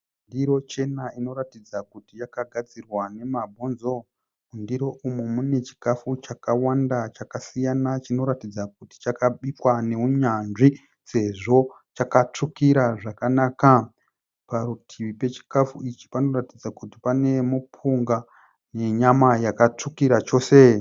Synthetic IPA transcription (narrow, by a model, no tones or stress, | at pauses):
undiɾo̞t͡ʃe̞naino̞ɾatid͡zakutijakaɡʱad͡zirwane̞mabʱonzo̞ | undiɾo̞ʔumomune̞t͡ʃi̥kafut͡ʃakawandat͡ʃakasijanat͡ʃino̞ɾatid͡zakuti̥t͡ʃakaɓikwane̞uɲanʐi | se̞ʐo̞ | t͡ʃakat͡ʂukiɾaʐakanaːka | paɾutʰiʋipe̞t͡ʃi̥kafuit͡ʃi̥pano̞ratid͡zakuti̥pane̞mupʰuŋɡa | ne̞ɲamajakat͡ʂukiɾat͡ʃo̞ːse